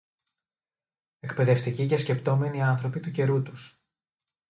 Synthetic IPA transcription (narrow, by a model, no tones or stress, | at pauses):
e̞kpe̞ðe̞ft̪iciʝɐsce̞pt̪o̞me̞niɐnθɾo̞pit̪uce̞ɾut̪us